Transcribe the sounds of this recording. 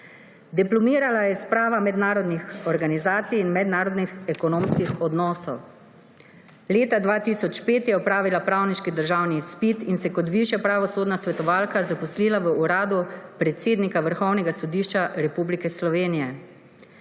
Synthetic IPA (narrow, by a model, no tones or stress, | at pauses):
d̪iplɔmiːɾalajɛspɾaːʋamɛd̪naːɾɔd̪nixɔɾɡanizaːt̪sijːnmɛd̪naːɾɔd̪nixɛkɔnoːmskixɔd̪nɔːsɔw | leːt̪ad̪ʋaːt̪iːsɔt͡ʃpeːt̪jɛɔpɾaːʋilapɾaːwniʃkid̪əɾʒawnispit̪insɛkɔt̪ʋiʃjapɾaʋɔsoːd̪nasʋɛt̪ɔʋaːlkazapɔsliːlaʋəuɾaːd̪upɾɛt̪seːd̪nikaʋəɾxɔwnɛɡasɔd̪iːʃt͡ʃaɾɛpublikɛslɔʋeːnijɛ